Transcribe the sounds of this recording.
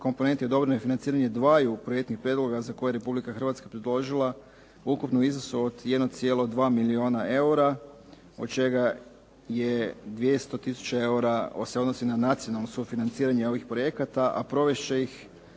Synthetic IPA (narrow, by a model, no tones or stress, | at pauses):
ko̞mpo̞nent̪jeod̪o̞bɾenofinant̪iːɾaɲe̞d̪ʋaːjupɾojekt̪nixpɾjed̪lˠo̞ɡazako̞jeɾe̞publikaxr̩ʋat̪skapɾed̪lˠo̞ʒilˠa | ukupnoiznosuod̪jed̪not̪sijelˠo̞d̪ʋaːmilio̞ːnae̞uɾa | o̞t̪t͡ʃe̞ɡa | je̞d̪ʋje̞st̪o̞t̪isu̥t͡ɕee̞uɾao̰seod̪nosinanat̪sio̞nalˠnosufinant̪siːɾaɲeo̞ʋixpɾo̞je̞kat̪aʔa̰pɾo̞ʋe̞ʃt͡ʃeix